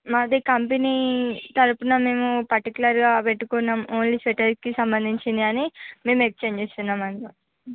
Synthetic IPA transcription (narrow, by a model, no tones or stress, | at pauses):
mad̪ikɐmpenit̪ɐɾupunɐme̞ːmupɐɾʈikulɐɾɡaːpeʈːukunːaːmoːnliːseʈɐɾskisɐmbɐnd̪ʱiɲt͡ʃind̪iɐnime̞ːmekst͡ʃeːɲd͡ʒeːst̪unːaːmɐnt̪i